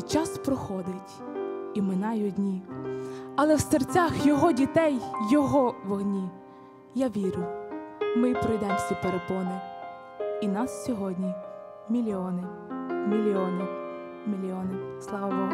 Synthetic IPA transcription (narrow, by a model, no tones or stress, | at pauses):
t͡ʃɑspɾɔxɔd̪ɪtʲ | imɪnɑjʊdʲnʲi | ɐlˠɛwsert͡sʲɑxjɔɦɔdʲit̪ɛjːɔɦɔʋɔɦnʲi | jaʋʲiɾʲʊ | mɪpɾɔjd̪ɛmsʲipeɾepɔnɐ | inɑssʲɔɦɔdʲnʲi | mʲilʲiɔnɪmʲilʲiɔnɪ | mʲilʲiɔnɪslˠɑʋɐʋɔ